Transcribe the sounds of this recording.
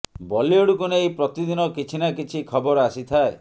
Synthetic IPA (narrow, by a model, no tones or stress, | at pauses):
bɔlioɽukunejpɾɔt̪id̪inɔkit͡ʃʰinakit͡ʃʰikʰɔbɔɾasit̪ʰae